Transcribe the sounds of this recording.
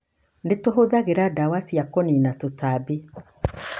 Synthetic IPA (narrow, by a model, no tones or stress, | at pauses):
netoɦoðaɣeɾadawasiakoninatotabe